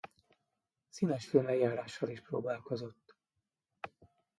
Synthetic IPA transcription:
siːnɛʃfilmɛɡjaːɾaːʃːɒliʃproːbaːlko̞zo̞t̪ː

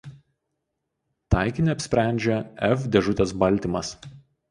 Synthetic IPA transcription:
t̪ɑˑɪkʲɪnʲɪɐpʲsʲpʲɾʲæˑnʲd͡ʒʲɛɛfd̪ʲɛʒʊt̪ʲɛsbɐlʲt̪ʲimɐs

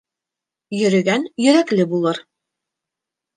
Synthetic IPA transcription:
jɵ̆ɾɘ̆ɡænjɵ̆ɾæklɘbulˠɤɾ

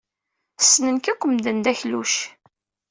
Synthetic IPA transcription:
snənkækʷːəmd̪ənd̪æçlṵʃ

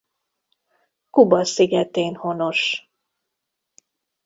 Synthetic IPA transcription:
kubɒsiɡɛt̪eːnhono̞ʃ

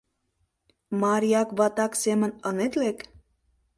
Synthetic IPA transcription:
mɑɾijɑkβɑt̪ɑksemə̆nənet̪lek

